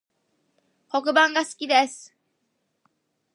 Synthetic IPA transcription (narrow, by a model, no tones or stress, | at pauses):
ko̞k̬ɯ̟bãŋɡasɨ̥kʲid̪e̞sɨ̥